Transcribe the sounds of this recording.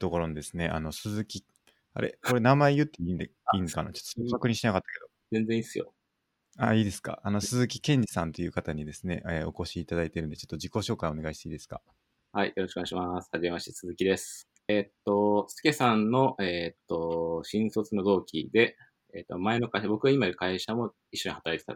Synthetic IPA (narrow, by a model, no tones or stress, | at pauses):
t̪o̞ko̞ɾo̞nod̪e̞sɨne̞ʔa̰no̞sɨzɨkʲi | a̰ɾe̞̰ko̞ɾe̞namaejɯ̟t̪ːeind̪iŋkana̰t͡ɕot̪ːooakɯ̟ɲ̟iɕt̪enakat̪ːḁke̞d̪ozẽ̞nd͡zẽ̞isɨjo̰ | aiːd̪e̞sɨ̥ka̰ʔano̞sɨzɨkʲi̥kẽ̞ɲ̟d͡ʑi̥sãnt̪e̞jɯ̟ːkat̪aɲ̟id̪e̞sɨne̞̰ʔeo̞ko̞ɕiːt̪ad̪ait̪e̞ɾɯ̟nd̪e̞t͡ɕo̞t̪ːod͡ʑiko̞ɕo̞ːkaĩo̞ne̞ɡaiɕit̪eiːd̪e̞sɨ̥ka̰ | haijoɾo̞ɕikoɲaiɕimasɨ̥haʑime̞mat͡ɕesɨzɨkʲid̪e̞sɨ̥ | eːt̪ːo̞sɨ̥ke̞sãnno̞ʔet̪ːo̞ɕĩɰ̃so̞t͡sɨno̞d̪o̞ːkʲḭd̪e̞ | eːt̪ːomae̞no̞kaiɕabo̞kɯ̟ɡaimaiɾɯ̟kaiɕamo̞ | iɕːo̞ɲ̟ihat̪aɾait̪et̪a̰